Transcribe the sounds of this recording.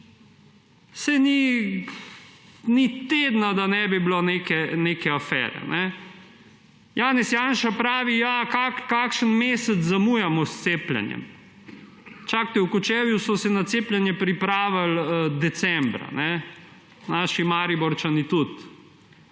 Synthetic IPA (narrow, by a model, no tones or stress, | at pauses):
sɛni | nit̪ed̪nad̪anɛbibloneːkɛnekɛafɛ̰ːɾɛ̰nʔɛ | jaːnɛsjaːnʃapɾaːʋijakakkakʃənmeːsət͡s̪zamujamɔst̪seːplɛ̰njɛ̰m | t͡ʃak̚t̪ɛwkut͡ʃɛːʋjusɔsɛnat̪seːplʲɛnjɛpɾipɾaːʋald̪ɛsɛmbɾa̰nɛ | naːʃimaːɾibɔɾt͡ʃanit̪ut̪